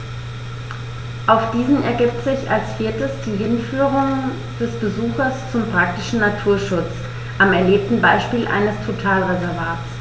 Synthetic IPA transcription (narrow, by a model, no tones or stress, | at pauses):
ʔaʊxd̥iːzn̩ɛ̰ɐɡiːp̚tz̥ɪçalsfiːɐtəsd̥iːɦɪnfyːʁʊŋ | d̥ɛsb̥əzuːxɐst͡sʊmpʁ̥ak̚tɪʃn̩natʰuːɐʃʊt͡s | ʔamɛɐleːp̚tn̩baɪʃpiːlʔa̰ɪnəstʰotʰaːlʁezɛɐvaːtt͡s